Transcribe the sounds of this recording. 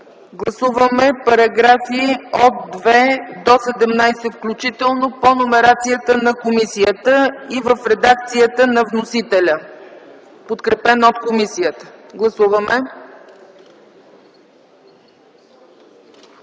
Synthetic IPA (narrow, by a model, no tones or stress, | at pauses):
ɡlˠɐsuvəmɛpɐɾɐɡɾafiot̪̚d̪vɛd̪ɔsɛd̪ɛmnajsɛfklʲut͡ʃit̪ɛlˠnoponomɛɾat̪sijət̪ənɐkomisijət̪əivəfɾɛd̪ak̚t̪sijət̪ənɐvnosit̪ɛlʲə | pot̪kɾɛpɛnot̪komisijət̪ə̥ɡlˠɐsuvəmɛ